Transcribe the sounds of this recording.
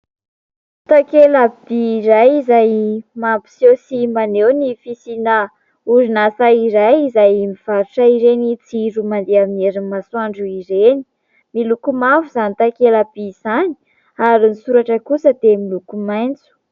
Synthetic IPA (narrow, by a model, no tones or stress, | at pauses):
t̪akelabiɾajizajmampi̥sosimanewnifisina | uzinasaiɾajizajmiv̥aɾuʈ͡ʂaiɾenit͡siɾumand̪eamineɾimasuaɳɖ͡ʐuiɾeni | milukumavuzanit̪akelab̥iz̥ani̥ | aɾinisuɾaʈ͡ʂəkusəd̪emilukumajnt͡su̥